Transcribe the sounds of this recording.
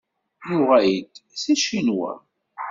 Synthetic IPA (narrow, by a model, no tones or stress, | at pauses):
jʊʁæjid̪siʃinwæ̰